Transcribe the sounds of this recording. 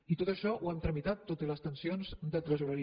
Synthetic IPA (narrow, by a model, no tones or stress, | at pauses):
it̪ot̪əʃɔʔuɛmt̪ɾəmit̪at̪ːot̪ələst̪ənsionzd̪ət̪ɾəzuɾəi